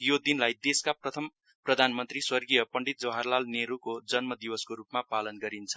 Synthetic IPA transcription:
jod̪inlajd̪eskaprʌt̪ʰʌm | prʌd̪ʱanmʌnt̪riswʌrɡijʌpʌɳɖit̪̚d͡zʌɦarlalneɾukod͡zʌnmʌd̪iwʌskoɾupmapalʌnɡʌɾint͡sʰʌ̥

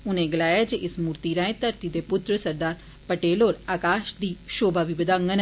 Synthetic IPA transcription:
ʊnẽːɡəlaːjaːd͡ʒeʔɪsmuːɾt̪iːɾãːẽːt̪əɾt̪iːd̪eːpʊt̪ɾəsəɾd̪aːɾ | pəʈeːloːɾaːkaːʃd̪iːʃoːbaːʋiːbəd̪ãːŋɡən

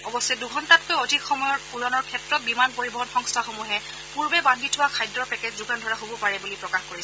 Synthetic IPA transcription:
ɔbɔsːɛduɡʱɔntat̚kojɔdʱikxɔmɔjɔɹpuɹɔnɔɹkʰɛtɹɔt̚bimanpoɹibɔɦɔnxɔŋstʰaxomuɦɛ | puɹbɛbandʱitʰʊwakʰajdɹɔɹpɛkɛd͡ʑzuɡandʱɔɹaɦobɔpaɹɛbulipɹɔkaxkoɹisɛ

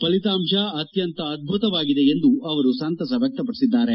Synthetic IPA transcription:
pɐlit̪aːmʂɐɐt̪jɐnt̪ɐːd̪̚bʱut̪ɐʋaːɡid̪e̞end̪uɐʋɐɾusaːnt̪ɐs̬ɐbʱek̚ʈ̪ɐp̬ɐɽisid̪ːaːɾe̞

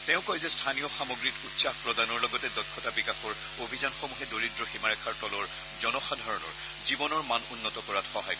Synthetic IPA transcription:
tɛʊ̃kɔjzɛstʰanijɔxamɔɡɹitutsaxpɹɔdanɔɹlɔɡɔtɛdɔt̚kʰːɔtabikaxɔɹ | obʱizanxomuɦɛdoɹidɹɔximaɹɛkʰaɹtɔlɔɹ | zɔnɔxadʱaɹɔnɔ̰ɹ | zibɔnɔɹmanunːɔtɔkɔɹatxɔɦaj

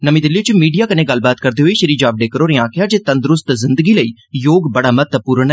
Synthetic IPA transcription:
nəmĩd̪ɪliːt͡ʃmiːɖijaːkəneːɡəlbaːt̪kəɾd̪eːɦoiːʃəɾiːd͡ʒaːbɖeːkəɾoːɾẽãːkʰɪjaːd͡ʒeːt̪ə̃nd̪ɾʊst̪zɪnd̪əɡiːləiː | joːɡbəɽaːmət̪ːəpuːɾɳ

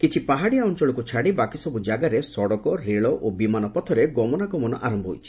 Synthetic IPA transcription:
kit͡ʃʰipaɦaɽijaɔnt͡ʃɔɭɔkut͡ʃʰaɽibakisɔbud͡ʒaɡaɾesɔɽɔkɔɾeɭɔʔobimanɔpɔt̪ʰɔɾeɡɔmɔnaɡɔmɔnɔʔaɾɔmbʱɔɦo̰jt͡ʃʰi̥

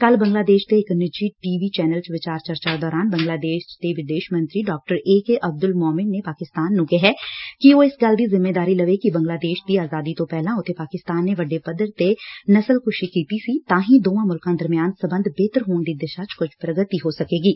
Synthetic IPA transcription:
kɐlbɐ̃ŋɡlaːd̪eːʃt̪eːknɪd͡ʒiʈiːʋit͡ʃɛːnəlt͡ʃʋɪt͡ʃaːɾt͡ʃɐɾt͡ʃad̪ɔːɾaːnbɐ̃ŋɡlaːd̪eːʃt̪eʋɪd̪eːʃmɐ̃nt̪ɾiɖɔːk̚ʈəɾeːkeʔɐb̚d̪ʊlmɔːmɪnːepaːkɪst̪aːnːʊ̃ɡeɦɛːkiʋoɪsɡɐld̪ʱizɪmːeːd̪aːɾilɐʋekibɐ̃ŋɡlaːd̪eːʃd̪iaːzaːd̪it̪opɛɦlãʊt̪ʰepaːkɪst̪aːnːeʋɐɖepɐd̪əɾt̪enɐsəlkʊʃikiːt̪isit̪ãːɦĩd̪oːãmʊlkãd̪ɐɾmijaːnsɐbə̃nd̪ʱbeːt̪əɾɦoːnd̪id̪ɪʃat͡ʃkʊt͡ʃʰpɾɐɡət̪iɦosɐkeːɡiː

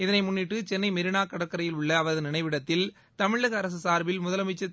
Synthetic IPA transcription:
ɪðɐnɐɪmʊnːɪʈːɯt͡ʃɛnːɐɪmɪɾɪnaːkɐɽɐkːɐɾɐjɪlʊɭːɐːʋɐɾɐðɯnɪnɐɪʋɪɽɐt̪ːɪl | t̪ɐmɪɭɐɣɐːɾɐs̬ɯsaːɾʋɪlmʊðɐlɐmɪt͡ʃːɐ

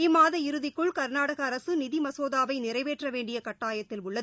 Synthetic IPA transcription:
ɪmːaːðɐɪɾɯðɪkːɯɭkɐɾnaːɽɐɣɐːɾɐsɯnɪðimɐsoːðaːʋɐɪnɪrɐɪʋeːʈrɐʋeːɳɖɪjɐkɐʈːaːjɐt̪ːɪlʊɭːɐðɯ

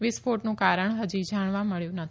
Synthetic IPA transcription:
ʋɪspʰoʈnũkaɾəɳɦəd͡ʒid͡ʒaɳ̃ʋãməɭjũnət̪

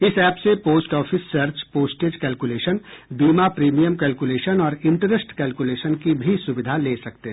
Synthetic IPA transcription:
ɪsɛːpsepoːsʈɔːpʰɪsːɐɾt͡ʃpoːsʈeːd͡ʒkɛːlkuleːʃənbiːmapɾiːmijəmkɛːlkuleːʃənɔːɾɪ̃ɳʈɾəsʈkɛːlkuleːʃənkibʱisʊbɪd̪ʱaleːsɐk̚t̪e

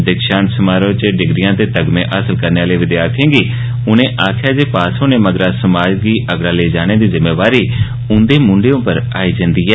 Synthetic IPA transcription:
d̪ɪkʃãːnsəmaːɾõːt͡ʃɖɪɡɾijãːt̪eːt̪əɡmḛ̃ːʔaːsəlkəɾneːaːleːʋɪd̪ɪjaːɾt̪ʰãːɡiː | ʊnẽːʔaːkʰjaːd͡ʒeːpaːsõːneːməɡɾãːsəmaːd͡ʒɡiːʔəɡɽãːleːd͡ʒaːɽ̃eːd̪iːzɪmːeːʋaːɾiː | ʊ̃nd̪eːmʊ̃ɳɖeːõːpəɾa̰ːiːd͡ʒãnd̪iːɛː

